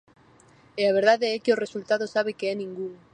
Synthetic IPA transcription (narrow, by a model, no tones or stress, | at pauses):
eaβ̞e̞ɾð̞aðeekeore̞sult̪að̞osaβekeenĩŋɡun